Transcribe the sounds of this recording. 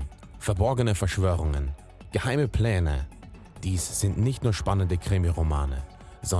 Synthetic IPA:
fɛɐbɔɐɡənəfɛɐʃv̥øːʁʊŋən | ɡ̥əhaɪməpʰl̥ɛːnə̰ | d̥iːsz̥ɪntnɪçtnuːɐʃpanəndəkʁ̥ɪmiʁomaːnə̰ | zɔ

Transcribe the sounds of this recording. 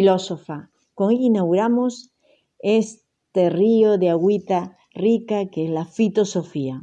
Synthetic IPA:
ilosofa | koŋeʎinaɣuɾamos | es | t̪erioðeaɣwit̪a | rikakeezlafit̪osofia

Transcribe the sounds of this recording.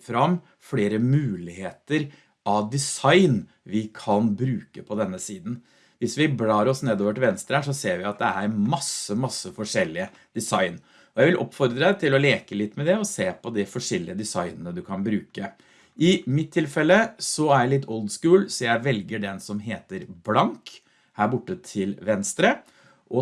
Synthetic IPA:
fɾɑm | fɽeːɾəmʉːlɪheːt̪əɾ | ʔɑd̪ɪsɑɪn | ʋɪkʰɑnbɾʉːkəpʰɔd̪ɛnːəsiːd̪n̩ | ʋɪsʋɪblɑːɾɔsneːd̪oːʋəʈɪlʋɛnst̪ɾəæʂɔseːɾʋɪɑt̪̚d̪ɛæɾmɑsəmɑsːəfɔʂɛlːɪə | d̪̥ɛsɑɪn | ɔjæɪʋɪlʔɔ̰pfɔɾd̪ɾəd̪ɛt̪ʰɪlɔleːkəlɪt̪ːmɛd̪ɛɔseːpʰɔd̪ɪfɔʂɛlːɪ̰əd̪ɛsɑɪnənəd̪ʉkʰɑnbɾʉːkə | ʔɪmɪt̪ʰːɪlfɛlːəsɔæɾjælɪt̪ʰːɔlˠd̪skʉːlsɔjæɪʋɛlɡəɖɛnsɔmɦeːt̪əɾblɑŋk | hæːɾbʊʈːət̪ʰɪlʋɛnst̪ɾə | ʔɔ

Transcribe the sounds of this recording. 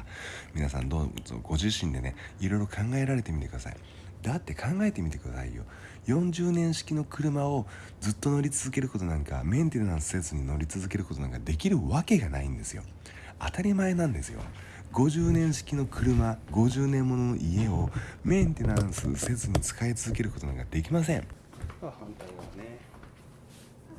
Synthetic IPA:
mʲinasã̰nd̪ozo̰ɡ̥o̞ʑiɕĩnd̪e̞̰ne̞̰iɾo̞jɾo̞kʰãŋɡae̞ɾaɾe̞t̪e̞mʲit̪e̞kɯd̪asa̰ḭ | d̪̥at̪ːe̞kʰãŋɡae̞t̪e̞mʲit̪e̞kɯ̟d̪a̰sa̰ḭjo̞̰ | jõ̞ɲ̟d͡ʑɨːnẽ̞ɰ̃ɕi̥kʲino̞kɯ̟ɾɯ̟mao̞ | d͡zɨt̪ːo̞no̞ɾʲit͡sɨzɨke̞ɾɯ̟ko̞t̪o̞nãŋka̰mẽ̞nt̪e̞nãɰ̃sɨ̥se̞t͡sɨɲ̟ino̞ɾʲit͡sɨzɨke̞ɾɯko̞t̪onãŋkad̪e̞kʲiɾɯ̟βake̞ɡana̰ḭ̃nd̪e̞sɨjo̞̰ | a̰t̪aɾʲimae̞nãnd̪e̞sɨjo̞̰ | ɡo̞ʑɨːnẽ̞ɰ̃ɕi̥kʲino̞kʰɯ̟ɾɯ̟maɡo̞ʑɨːnẽ̞mːo̞no̞no̞̰ʔie̞o̞mẽ̞nt̪e̞nãɰ̃sɨ̰se̞t͡sɨɲ̟it͡sɨ̥kait͡sɨzɨke̞ɾɯ̟ko̞t̪o̞nã̰ŋkad̪e̞kʲimas̬ẽ̞ɴ | hãnt̪aine

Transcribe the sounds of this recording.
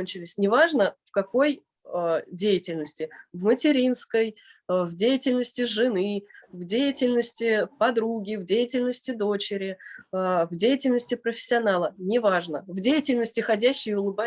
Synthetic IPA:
nʲt͡ɕɪlʲɪsʲnʲɪvaʐnəfkɐko̞j | dʲejɪtʲɪlʲnəsʲtʲɪvmətʲɪɾʲinskəjvdʲejɪtʲɪlʲnəsʲtʲɪʐɨnɨvdʲejɪtʲɪlʲnəsʲtʲɪpɐd̪ɾuɡʲɪvdʲejɪtʲɪlʲnəsʲtʲɪd̪o̞t͡ɕɪɾʲɪ | vdʲejɪtʲɪlʲnəsʲtʲɪpɾəfʲɪ̥sʲːɪɐnalˠənʲɪvaʐnəvdʲejɪtʲɪlʲnəsʲtʲɪxɐdʲæɕːɪjʊlˠɨba

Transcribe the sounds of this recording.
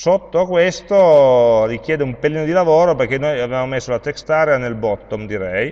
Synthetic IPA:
sot̪ːokwest̪olik̟jɛːd̪eumpeliːnod̪ilavoːɾoperk̟ːenːojavevamomesːolat̪ekst̪aːɾeanelbɔt̪ːomd̪iɾɛj

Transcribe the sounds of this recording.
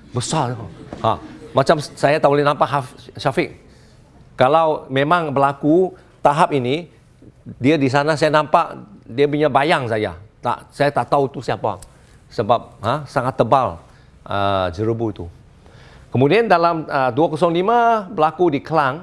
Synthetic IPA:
bəsahamat͡ʃamsajat̪aʔbolɛhnãmpaʔɦafʃafɪk̚ | kalawmẽmãŋbəlaku | t̪aɦap̚ini | diadis̬anas̬ajanãmpaʔdiap̬uɲabajaŋsaja̰t̪a̰ʔsajat̪aʔt̪awt̪usiapa̰ | səbap̚ɦãsaŋat̪ːəbal | ə̰d͡ʒəɾəbuit̪u | kəmudiandalaməduakɔsɔŋlimãbəlakudikəlaŋ

